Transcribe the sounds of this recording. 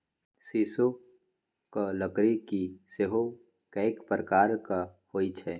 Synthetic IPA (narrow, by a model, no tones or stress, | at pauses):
siːso | kaləkɾikiseɦo | kɛekpɾəkaːɾkahoːit͡ʃʰɛː